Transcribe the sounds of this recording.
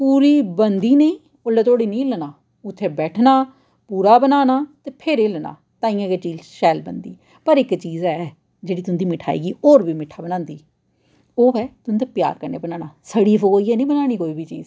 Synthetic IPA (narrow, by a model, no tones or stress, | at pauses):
puːɾiːbənd̪iːneĩː | ʊlet̪oːɽiːnĩːlənaː | ʊt̪ʰːeːbɛːʈʰnaː | puːɾaːbənaːnaːt̪eːpʰeːɾeːləna̰ː | t̪ãːĩːãːket͡ʃiːzʃɛːlbə̰nd̪ḭː | pəɾɪkt͡ʃiːzɛː | d͡ʒeːɽiːt̪ʊnd̪iːmɪʈʰa̰ːḭːɡiːoːɾbiːmɪʈʰːaːbənãːnd̪iː | oːɛːt̪ʊnd̪aːpja̰ːɾkəɾnḛːbənaːnaːsəɽiːfokoːiːɛːnĩːbənaːɽ̃iːkoːiːbʱiːt͡ʃḭːz